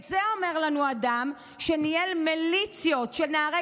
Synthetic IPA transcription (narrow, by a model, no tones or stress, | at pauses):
zeo̞me̞ʁlanuad̪am | ʃenielmelit͡sjo̞tʃeneːʁe